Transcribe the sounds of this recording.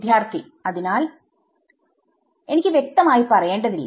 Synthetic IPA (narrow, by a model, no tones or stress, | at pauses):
d̪ʱjaːrt̪ʰi | ɐðinaːl | e̞nikʲːɨʋje̞k̚t̪ɐmaːjipɐrɐje̞ːɳɖɐðilːɐ̰